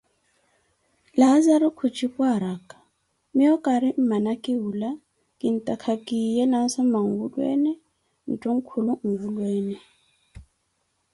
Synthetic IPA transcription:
lazaɾukʰut͡ʃʰʼipʼwaɾakʼḁ | miɔkʼaɾɪm̩manakʼɪula | kʼin̩tʼakʰakʼijɛnasamaŋ̩ɡudwɛ̰ːnɛ | n̩tʼuŋ̩kʰuluŋ̩vulwɛːnɛ

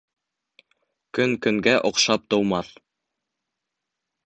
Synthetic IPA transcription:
kɵŋkɵ̆ŋɡæʔŏqʃɑp̚t̪ŏwmɑθ

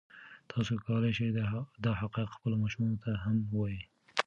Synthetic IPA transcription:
t̪ʰɑsokʰawəlajʃed̪ɑɦaqɑjɪqxpəlomɑʃumɑnot̪aɦamwɑji

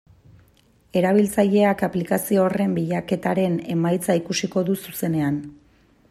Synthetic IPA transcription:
e̞ɾaβ̞ilt͡saʎe̞akaplikasio̞ːre̞mbiʎake̞t̪aɾe̞ne̞majt͡saikusiko̞ðususe̞ne̞an

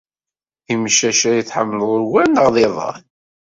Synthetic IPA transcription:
imʃæʃæjiθħəmːəloɾwænəʁðˤɪðˤɑ̰

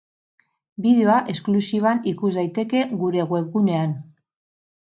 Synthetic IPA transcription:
biðeo̞aʔe̞sklusiβ̞anikuzd̪ajt̪e̞ke̞ɣuɾe̞ɣwe̞kɡune̞an

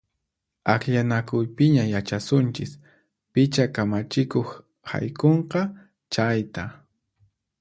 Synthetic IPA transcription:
akʎanakʊjpɪɲajat͡ʃasʊnt͡ʃɪs | pɪt͡ʃakamat͡ʃɪkoχ | ha̰jkoɴqɑ | t͡ʃajt̪a

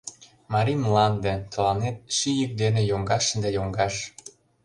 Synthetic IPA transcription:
mɑɾimlɑnd̪ĕt̪ɤ̆lɑnet̪̚ʃijək̚d̪enĕjoŋɡɑʃd̪ɑjoŋɡɑʃ

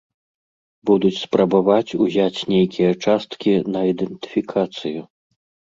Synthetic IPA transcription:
bud̪ut͡sʲspɾɐbavat͡sʲuzʲat͡sʲnʲejkʲʰijɐt͡ʂast̪kʲinɐid̪ɛnt̪ɨ̥fʲikʰat̪sɨju

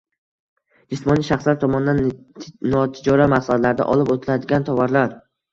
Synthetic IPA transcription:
d͡ʒɪsmɒniʃaχslaɾt̪ʰɒmɒnd̪annɒt̪ʰɪd͡ʒɒɾamaqsad̪laɾɪd̪a̰ʔɒlɪpot̪ʰɪlad̪ɪɡʲant̪ʰɒvaɾlaɾ

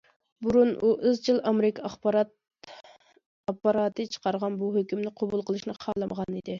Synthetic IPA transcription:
buɾunuʔɨzt͡ʃʰɨlˠɑmeɾɪkʰɑχɾt̪ | ɑpːɑɾɑːt̪ʰɨt͡ʃʰə̥qɑɾʁɑnbuɦøkʲymnɪqʰobulˠqʰəlˠɨʃnɨqʰɑːlˠɨmʁɑnid̪ɪ

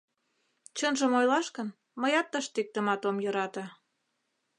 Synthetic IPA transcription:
t͡ɕənʒə̆mojlɑʃkən | məjɑt̪ːəʃt̪ek̚t̪əmɑt̪omjøɾɑt̪ɑ̆

